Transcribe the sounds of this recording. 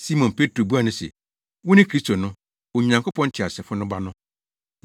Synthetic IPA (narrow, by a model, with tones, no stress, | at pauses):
si˦mɔ̃˨npʰe˦tʰɾo˨bu˦a˨nʊ̃˦sɛ̰˨ | wʊ˦nɪ̃˦kʰɾi˦stʰo˨nʊ̃˦ | o˨ɲã˨ŋkʰo˦pʰɔ̃˦n˦t͡ɕʰɪ˨a˨sɛ˨fʊ˦nʊ̃˦ba˦nʊ̃˦